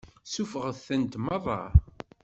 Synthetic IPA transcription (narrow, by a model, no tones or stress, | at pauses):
sufəʁəθθənt̪mɑðˤɑ̰